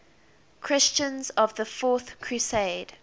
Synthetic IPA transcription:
kʰɹ̥ɪst͡ʃə̃nzɔvðəfɔˑθkʰɹuseɪd̥

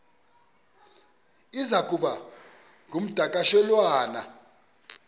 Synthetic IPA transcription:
izaɡʰʼʱuɓa | ŋɡʱum̩d̥ʱakʼaʃɛlwaːna

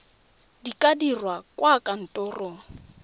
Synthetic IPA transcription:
dikʼadirwakʼwakan̩tʼɔrɔ

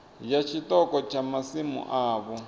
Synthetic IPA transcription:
jat͡ʃʰitɔkɔt͡ʃʰamasimṵʔaːβɔ

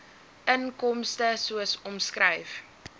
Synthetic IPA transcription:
ʔənkɔmstəsuəsɔmskrɛjf

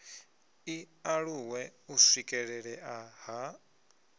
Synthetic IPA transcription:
i | aɺuwɛusikʼɛɺɛɺɛʔaɦa

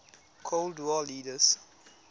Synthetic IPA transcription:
kʰoldwɔliːdəs

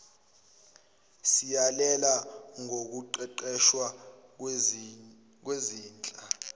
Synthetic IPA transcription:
sijalɛlaŋʱok̬uǃɛǃɛʃwa | k̬weziːnt͡ɬʼa

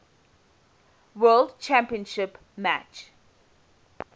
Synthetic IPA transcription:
wəːlɖt͡ʃʰæ̃mpiə̃nʃɪp | mæt͡ʃ

